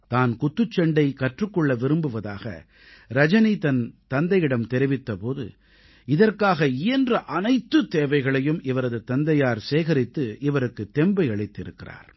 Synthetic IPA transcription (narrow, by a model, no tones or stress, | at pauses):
t̪aːnkʊt̪ːɯt͡ʃːɐɳɖɐɪkɐʈrɯkːɔɭːɐʋɪɾɯmbɯʋɐða̰ːɣɐ̰ | ɾɐd͡ʒɐnit̪ɐnt̪ɐnd̪ɐjɪɽɐmt̪ɛɾɪʋɪt̪ːɐpoːðɯ̰ | ɪðɐrkaːɣɐɪjɐndrɐʔɐnɐɪt̪ːɯt̪eːʋɐɪɣɐɭɐjɯmʔɪʋɐɾɐðɯt̪ɐnd̪ɐjaːɾseːɣɐɾɪt̪ːɯɪʋɐɾɯkːɯt̪ːɛmbɐɪɐɭɪt̪ːɪɾɯkːɪ̰ra̰ːɾ